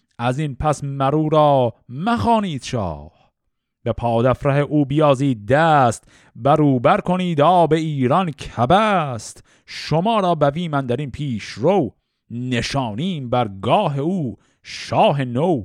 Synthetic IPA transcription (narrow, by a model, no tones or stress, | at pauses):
ʔæzinpʰæsmæɾuːɾɑːmæxɑːniːd̪̥ʃɑ̰ːh | b̥epʰɑːd̪æfɾæheʔuːbijɑːziːd̪̚d̪æːst̪ | bæɾuːbæɾkʰo̞niːd̪ɒːbe̞iːɾɑnkʰæbæst̪ | ʃo̞mɑːɾɒːbæviːmænd̪æɾinpʰiːʃɾow | ne̞ʃɑːniːmbæɾɡɒːɦe̞uː | ʃɑːɦe̞now